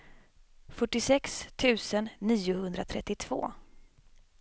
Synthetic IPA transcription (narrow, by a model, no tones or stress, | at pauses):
fœʈːɪsɛkst̪ʰʉ̟ːsənːiːʊhɵnd̪ɾat̪ʰɾɛt̪ːɪt̪ʰv̥o̰ː